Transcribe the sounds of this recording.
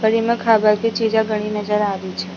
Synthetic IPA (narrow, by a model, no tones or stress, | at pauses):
kəɾiməkʰabəɾt̪ʰit͡ʃid͡ʒaɡʱəɽ̃inəd͡ʒəɾaʋit͡ʃʰe